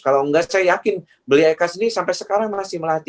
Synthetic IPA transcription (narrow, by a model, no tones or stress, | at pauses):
kalawŋɡasajajakɪn | bəliakasinisampɛsəkaɾaŋmasɪhməlat̪i